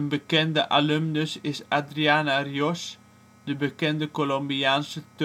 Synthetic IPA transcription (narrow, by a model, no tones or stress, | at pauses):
ənbəkɛndəʔalømnəsɪsadɾiaːnarjɔs | dəbəkɛndəkolombiaːnsət̪